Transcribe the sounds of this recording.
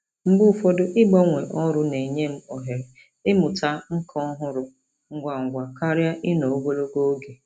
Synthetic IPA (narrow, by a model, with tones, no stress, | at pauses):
m̩˦bʊ˦˨fo˦do˦ʔɪ˦ɡ͡bɔ˦ŋʷe˨ʔɔ˦ɾʊ˦ne˨ɲe˦m̩˦ɔ˨ɦe˨ɾe˨ | ɪ˦mʊ˨ta˦ŋ̩˦kʰɔ˦ɦʊ˦ɾʊ˨ | ŋ̩˦ɡʷa˨ŋ̩˨ɡʷa˨ka˦ɾja˦ʔɪ˦no˨o˦ɡʷo˦lo˦ɡo˦o˦ɡe˨